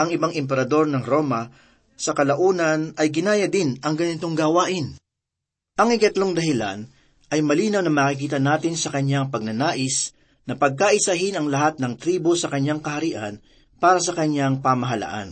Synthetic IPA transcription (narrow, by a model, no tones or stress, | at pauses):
ʔɐŋɪbaŋʔɛmp̬ɛɾɐd̪o̞ɾnɐŋɾo̞ːmɐ | sɐkɐlɐʔuːnɐnɐjɡɪnaːjɐd̪ɪnʔɐŋɡɐnɪt̪o̞ŋɡaːwaːʔɪn | ʔɐŋʔɪkɐt̪lo̞ŋd̪ɐɦɪla̰n | ʔɐjmɐliːnɐwnɐŋmaːkɪk̬iːt̪ɐnaːt̪ɪnsɐkɐɲaŋpɐɡ̚nɐnaːʔɪs | nɐpɐɡ̚kaʔɪsɐɦɪnɐŋlɐɦat̪̚nɐŋt̪ɾiːbosɐkɐɲːaŋkɐhɐɾiːʔɐ̰n | paːɾɐsɐkɐɲjaŋpamɐɦɐla̰ʔa̰n